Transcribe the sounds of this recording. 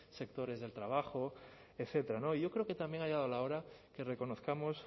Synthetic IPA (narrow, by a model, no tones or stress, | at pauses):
se̞k̚t̪o̞ɾe̞zðe̞lt̪ɾaβ̞axo̞ | eθe̞t̪eɾano̞iʝo̞kɾe̞oke̞t̪ambje̞ŋajaðolao̞ɾake̞reko̞no̞θkamo̞s